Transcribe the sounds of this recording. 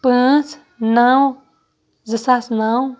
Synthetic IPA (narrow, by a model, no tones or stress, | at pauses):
pɨ̃s | nãw̃ | zɨsasnãw